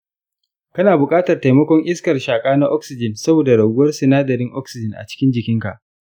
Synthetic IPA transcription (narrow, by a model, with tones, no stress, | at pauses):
kɐ˦naː˨bʊ˨kʼaː˦tɐ˨rta˨jmɐ˦kʷɔ˦ŋʔɪ˦skɐ˨rʃaː˨kʼaː˦na˦ʔɔ˦ksɪ˨d͡ʒɪ˨nsɐ˦boː˨da˨ɽɐ˨ɡʊ˦wɐ˦rsɪ˨naː˦dɐ˨ɾɪ˦ŋʔɔ˦ksɪ˨d͡ʒɪ˨nʔa̰˨t͡ʃɪ̥˦kʲɪ˦nd͡ʒɪ˨kʲɪ˦ŋka˨ʔ